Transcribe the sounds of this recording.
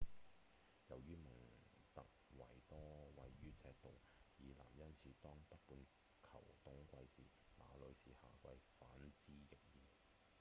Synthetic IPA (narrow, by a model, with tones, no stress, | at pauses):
jɐ˨˩wjyː˥mɐ˨˩ŋ | t̪ɐ˨k̚wɐ˨˩jt̪ɔː˥wɐ˨jɥyː˥t͡sʰɛː˧k̚t̪o˨w | jiː˨˧la̰ː˨˩mjɐ˥nt͡sʰiː˨˧˥t̪ɔː˥ŋpɐ˥t̚puː˧n | kʰɐ̰˨˩wt̪ʊ˨˥ŋkʷɐ˧jsiː˨ | ma̰ː˨˧lɵ˨˧ɥsiː˨haː˨kʷɐ˧jfaː˨˥nt͡siː˥jɪ˨˩ŋjiː˨˧